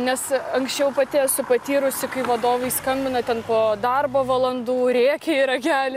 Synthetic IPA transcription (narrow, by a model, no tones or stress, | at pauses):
nʲɛsɐŋksʲt͡ʃʲɛʊpɐt̪ʲɪɛsʊpɐt̪ʲiːɾʊsʲɪkɐɪʋɐd̪oːʋɐɪskɐmʲbʲɪnɐt̪ʲɛnpoːd̪ɐrboːʋɐlˠɐnd̪uːɾʲeːkʲeiːɾɐɡʲæːlʲɪ